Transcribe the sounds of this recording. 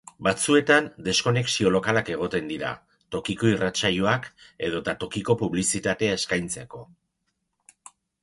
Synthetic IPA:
bat͡sue̞t̪and̪e̞sko̞ne̞ksio̞lo̞kalake̞ɣ̞o̞t̪e̞nd̪iɾa̰ | t̪o̞kiko̞irat͡sajuake̞ð̞o̞t̪at̪o̞kiko̞puβlisit̪at̪e̞ae̞skajnt͡se̞ko̞

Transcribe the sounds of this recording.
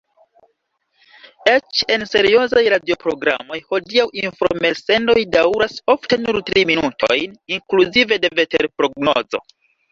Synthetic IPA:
et͡ʃe̞nse̞ɾio̞zajɾadio̞pɾo̞ɡɾa̰mo̞jho̞diawʔinfɾomelse̞ndo̞jdawɾaso̞fte̞nuɾtɾiminutʰo̞̰jniŋkluzive̞de̞ve̞teɾpɾo̞ɡno̞̰zo̞̰

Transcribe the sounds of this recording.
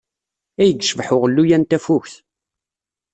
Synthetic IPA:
æjəɡʃəvħʊʁəlːujænt̪æfʊçθ

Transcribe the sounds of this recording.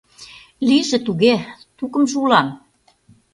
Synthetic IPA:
liʒĕt̪uɣet̪ukɤ̆mʒulɑm

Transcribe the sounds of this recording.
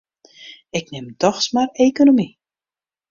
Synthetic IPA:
ɪknɪmdɔxsmarejkonomi

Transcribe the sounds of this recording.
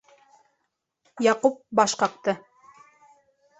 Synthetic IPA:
jɑqup̚bɑʃqɑq̚t̪ɤ

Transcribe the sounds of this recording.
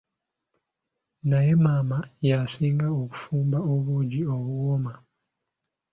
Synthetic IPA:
naje̞maːmajaːsiːŋɡaoku̥fuːmbaoβuːɟio̞βuwoma

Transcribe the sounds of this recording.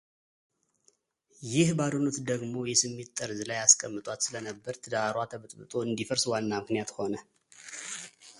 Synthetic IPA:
jɪhbad̪onot̪d̪əɡmo̞jɛsɨmːe̞t̪ʼːəɾzlajaskʼəmːɨt̪ʼwat̪sɨlənəbːəɾt̪ʰəd̪aɾwat̪ʰəβɨt̪ʼbɨt̪ʼo̞ɨnd̪ifəɾswanːamɨknijat̪ho̞nə

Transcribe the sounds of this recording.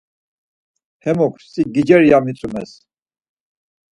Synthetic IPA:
hɛmɔkʰsʼiɡid͡ʒɛɾjamit͡sʼumɛ̰s

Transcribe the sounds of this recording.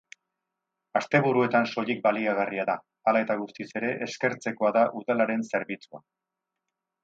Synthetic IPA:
ast̪e̞βuɾue̞t̪anso̞ʎik̚baliaɣ̞ariaða | alae̞t̪aɣ̞ust̪ise̞ɾe̞ʔeske̞ɾt͡se̞ko̞aðaʔuðalaɾe̞nse̞ɾβit͡sua̰

